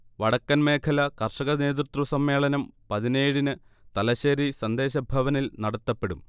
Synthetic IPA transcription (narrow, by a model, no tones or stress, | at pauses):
ʋɐɽɐkːɐnme̞ːkʰɐlɐkɐrʂɐɣɐne̞ːðrut̪rɐsɐmːe̞ːɭɐnɐmpɐðineːɻinɨt̪ɐlɐɕeːɾisɐnd̪e̞ːɕɐbʱɐʋɐnilnɐɽɐt̪ːɐpːe̞ɽum